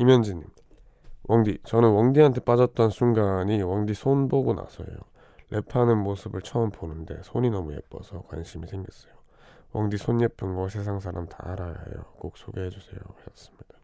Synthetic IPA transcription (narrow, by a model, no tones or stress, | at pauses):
imjʌnd͡ʑiɲːim | wʔʌŋdit͡ɕʌnɯnwʌŋdiɦantʰep͈ad͡ʑʌt̚t͈ʌnsʰuŋɡaɲiwʌŋdisʰonboɡona̰sʰʌ̰jo̰ | lʔe̞pʰanɯnmosʰɯbɯɭt͡ɕʰʌːmponɯnde̞̰sʰoɲinʌmuje̞̰p͈ʌ̰sʰʌkwa̰nɕʰimisʰe̞ŋɡʌs͈ʌjo | wʌŋdisʰonːepʰɯnɡʌs̬ʰe̞sʰaŋsʰaɾamta̰ːɾaja̰jo̰k͈ok̚s͈ʰoɡeɦe̞d͡ʑusʰe̞̰jo̰hes͈ɯ̥mɲid̥a